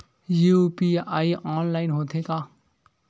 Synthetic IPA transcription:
jupiaːiʔɔːnlaːɪnɦoːt̪ʰẽka

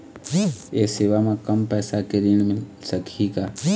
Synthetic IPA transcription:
eseβamakampaesakeɾinmesakʰika

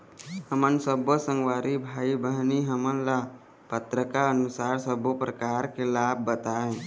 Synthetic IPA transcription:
həmənsəbosə̃ŋɡʋaːɾibʱaːibəɦniɦəmənla | pət̪ɾəkaənʊsaːɾsəbopɾəkaːɾkelaːb̚bət̪aɦẽː

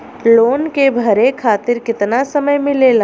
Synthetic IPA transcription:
loːnkebʱɐɾekʰaːt̪ɪɾkɪt̪nasɐməjmɪ̃leːla

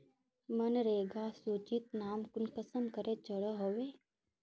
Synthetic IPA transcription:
mənɾeːɡasuːt͡ʃit̪naːmkʊnkəsəmkəɾet͡ʃəɽəɦoːʋeː

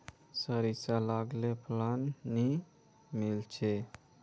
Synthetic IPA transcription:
səɾisalaɡleplanːi | milt͡ʃʰe

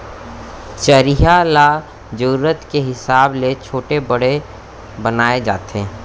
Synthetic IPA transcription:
t͡ʃəɾiɦala | d͡ʒəɾɾət̪keɦɪsaːblet͡ʃʰoːʈebəɽ̤e | bənaːed͡ʒa̰ːt̪eː

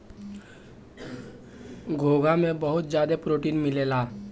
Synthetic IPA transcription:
ɡʱoːɡamẽbɐɦʊt̪̚d͡ʒjaːd̪epɾoːʈiːnmɪleːlaː

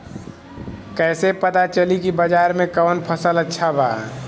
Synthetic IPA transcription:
kɛːsepət̪at͡ʃəlikibəd͡ʒaːɾmẽkɔːnpʰəsələtːʃʰabʱa̰ː

